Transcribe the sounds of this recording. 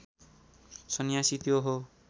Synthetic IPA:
sʌnjasit̪joɦo

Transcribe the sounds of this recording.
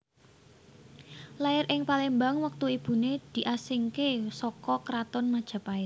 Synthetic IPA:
laɪɾʔɪŋpalembaŋwək̚t̪uib̥ṳned̪̥i̤ʔasiŋkesɔkɔkɾat̪ɔnmad̥ʒ̥a̤paɪt

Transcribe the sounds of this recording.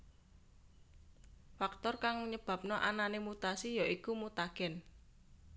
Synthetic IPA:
fak̚t̪ɔrkaŋɲəb̥a̤p̚nɔʔananemut̪asijaʔikumut̪aɡ̥ɛ̤n

